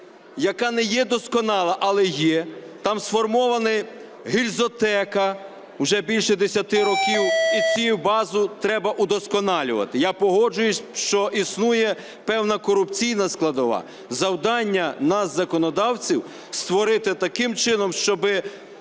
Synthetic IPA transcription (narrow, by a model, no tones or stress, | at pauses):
jɐkɑnɛjɛd̪ɔskɔnɑlˠɐʔɐlˠɛjɛ | t̪ɑmsfɔrmɔʋɐnɪ | ɦilʲzɔt̪ɛkɐ | wʒɛbʲilʲʃɛd̪esʲɐt̪ɪɾɔkʲiwit͡sʲujʊbɑzʊt̪ɾɛbɐʔʊd̪ɔskɔnɑlʲʊ̰ʋɐ̰t̪ɪjapɔɦɔd͡ʒʊjʊʃt͡ʃɔʔisnujɛ | pɛwnɐkɔɾʊpt͡sʲijnɐsklˠɐd̪ɔʋɑ̰ | zɐwd̪ɑnʲːɐnɐzːɐkɔnɔd̪ɑwt͡sʲiw | st̪ʋɔɾɪt̪ɪt̪ɐkɪmt͡ʃɪnɔmʃt͡ʃɔbɪ